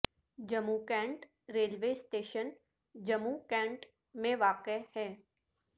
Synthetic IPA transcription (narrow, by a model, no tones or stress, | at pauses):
d͡ʒɐmukɛ̃ːɳʈ | ɾeːlʋeːsʈeːʃən | d͡ʒɐmukɛ̃ːɳʈ | mẽʋaːqehɛː